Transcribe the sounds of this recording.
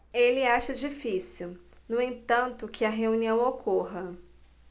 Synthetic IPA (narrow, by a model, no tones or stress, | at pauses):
elɪaʃɐd͡ʒifisiw | nʊ̃ẽt̪ɐ̃nt̪ʊkʰɪɐɦeuniɐ̃w̃okʰoɦɐ